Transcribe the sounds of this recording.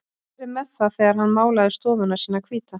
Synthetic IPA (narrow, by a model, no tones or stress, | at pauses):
ɾɪmɛðθaðθɛːɣaɾ̥hanːmaːwlajðɪst̪ɔːðʏnasiːnːakʰviːt̪a